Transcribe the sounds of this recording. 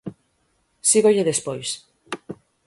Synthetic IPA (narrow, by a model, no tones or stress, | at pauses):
siɣoʎeðespojs